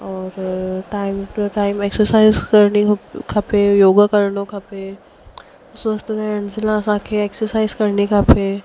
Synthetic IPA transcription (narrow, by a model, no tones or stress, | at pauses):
ɔːɾʈaːɪmʈəʈaːɪmeːksəɾsaːɪzkɐɾnikʰɐpejoːɡakɐɾnõkʰɐpe | ʊsʋəst̪ənɛ̃ɐnd͡ʒɪlãsãkʰeeːksəɾsaːɪzkɐɾnekʰɐpʰe